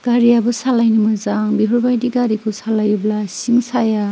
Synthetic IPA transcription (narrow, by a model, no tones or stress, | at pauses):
ɡ̥aɾiabɯsalajnimɯzaŋbipʰɾɔbajdiɡaɾikʰusalajublasiŋsaja